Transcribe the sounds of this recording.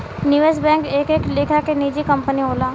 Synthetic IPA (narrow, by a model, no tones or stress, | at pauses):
niʋes̬bɛ̃ːŋkeːkeːkleːkʰakeniːd͡ʒikɐ̃mpəniɦoːlaː